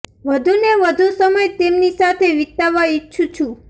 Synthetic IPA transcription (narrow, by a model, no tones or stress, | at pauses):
ʋəd̪ʱuneʋəd̪ʱusəməjt̪emnisat̪ʰeʋɪk̚t̪aʋaitːt͡ʃʰut͡ʃʰũ